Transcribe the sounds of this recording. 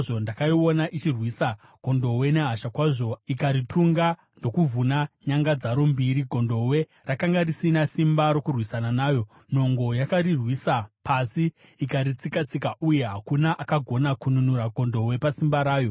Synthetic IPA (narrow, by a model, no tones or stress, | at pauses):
ʐo̞ndakaio̞naʔit͡ʃirwisa | ɡ̥ʱo̞ndo̞we̞ne̞ɦaʃakwaʐo̞ikaɾitʰuŋɡa | ndo̞kuvunaɲaŋɡad͡zaɾo̞mbiɾiɡʱo̞ndo̞we̞ | rakaŋɡarisinasimbaɾo̞kurwisananaːjo̞ | n̤o̞ŋɡo̞jakaɾirwisapʰasiː | kaɾit͡sikat͡sikaʔuje̞ɦakunaʔakaɡʱo̞nakununuɾaɡʱo̞ndo̞we̞pasimbaɾaːjo̞